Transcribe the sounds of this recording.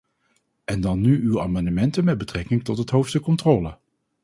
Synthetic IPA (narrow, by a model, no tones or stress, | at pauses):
ʔɛndɑnːyʔywa̰ːmɑndəmɛntənmɛd̚bətrɛkɪŋtɔtɦətɦowfstəkːɔntrɔːlə